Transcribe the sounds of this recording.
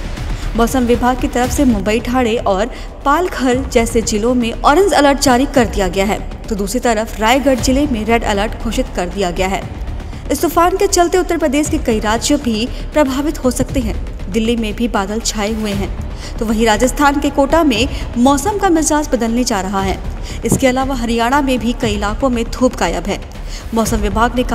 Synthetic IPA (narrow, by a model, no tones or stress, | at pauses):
mɔːsəmʋɪbʱaːɡ̚kit̪ɐɾəfsemʊ̃mbəiʈʰaːɽeʔɔːɾ | paːlkʰɐɾd͡ʒɛːsed͡ʒilõmẽʔɔːɾə̃nd͡ʒɐləɾʈ̚d͡ʒaːɾikɐɾd̪ijaɡɐjaɦɛ̰ː | t̪oːd̪uːsɾit̪ɐɾəfɾaːjɡɐɖd͡ʒɪlemẽɾɛːɖɐ̰ləɾʈkʰoːʃɪt̪kɐɾd̪ijaɡɐjaɦɛ̰ː | ɪst̪ʊːfaːnket͡ʃɐlt̪eʊt̪ːəɾpɾɐd̪eːʃkekɐiɾaːd͡ʒjəbʱi | pɾɐbʱaːʋɪt̪ɦosɐk̚t̪eɦɛ̃ː | d̪ɪlːimẽbʱibaːd̪əlt͡ʃʰaːeɦueɦɛ̃ː | t̪oːʋɐɦĩɾaːd͡ʒəst̪ʰaːnkekoːʈamẽmɔːsəmkamɪzaːsbɐd̪əlned͡ʒaːɾɐɦaɦɛ̰ː | ɪskeɐlaːʋaɦɐɾijaːɽ̃amẽbʱikɐiɪlaːkõmẽd̪ʱuːbkaːjə̰bɦɛ̃ː | mɔːsəmʋɪbʱaːɡnekɐ